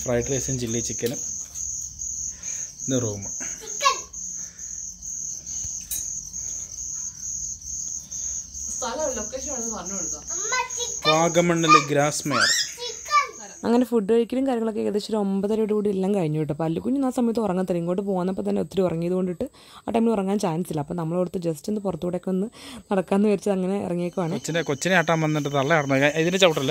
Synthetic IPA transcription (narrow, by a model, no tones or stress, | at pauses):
frɐjʈreːsɐnt͡ɕilːit͡ɕːikʲːɐnɐm | niruːmɐkːɐ | st̪ʰaːlɐɐðilokːeːsɐɐðɨʋɐɐɲːuoɽut̪ːaikaːɡɐmɐɳːɐlːeɡɾaːsmeːrikːɐ | ɐ̰ŋːɐne̞fuɖːɨɐɻikʲːɐɾumkaːɾjɐŋːɭo̞kːeeːɣɐðet͡ɕːoɾuo̞mbɐðɐɾoɽukuːɽiilːaːmkɐɻiɲːuiʈːɨɐpːoɐlːukuɲːunaːsɐmɐjɐt̪̬ːɐmurɐŋːɐt̪eiŋkoːʈːɨp̬o̞ːɣunːɐp̬ːoːt̪ɐnːeot̪ːiɾuurɐŋːijɐðuko̞ɳɖiʈːɨ | aːʈɐjmiɭurɐŋːaːnt͡ɕaːjɐnsilːɐpːoːnɐmːɐɭoɽut̪ːɨd͡ʑestend̪ɨpurɐt̪ːukuːɽeokːeonːɨnɐɽɐkːaːnːɨʋɐɾit͡ɕːɐðɐŋːɐne̞ḭrɐŋːijokːɐʋaːɳɨot͡ɕːɐnekot͡ɕːɐneaːʈːaːmʋɐnːɐɳɖɨt̪ɐɭːɐaʈɐnːɐaiðinet͡ɕɐʋʈːɐlːɐ